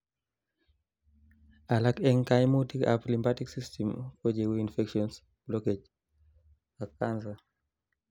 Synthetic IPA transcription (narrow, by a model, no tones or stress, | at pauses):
alakɛŋkajmutika̰plimbatiksistʰɛmkɔd͡ʒɛwiinfɛkʃɔns | b̥lɔked͡ʒ | akːanza